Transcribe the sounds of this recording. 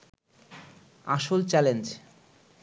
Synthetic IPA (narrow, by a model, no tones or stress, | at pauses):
a̰ʃolt͡ɕɛlend͡ʑ